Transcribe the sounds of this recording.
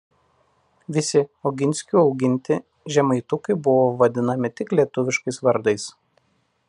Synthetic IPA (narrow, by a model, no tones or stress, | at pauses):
ʋʲɪsʲɪɔʊɡʲɪnʲsʲkʲuːɒʊɡʲɪnʲt̪ʲɪ | ʒʲɛmɐɪt̪ʊkɐɪbʊʋoːʋɐd̪ʲɪnɐmʲɪt̪ʲɪklʲiɛt̪ʊʋʲɪʃkɐɪsʋɐɾd̪ɐɪs